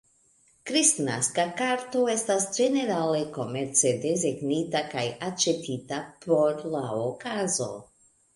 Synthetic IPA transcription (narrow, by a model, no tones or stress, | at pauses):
kɾistnaskakaɾto̞e̞stasd͡ʒe̞ne̞ɾale̞ko̞me̞ɾt͡sedezeɡnitakajat͡ʃe̞tʰitapo̞ɾlaokazo̞̰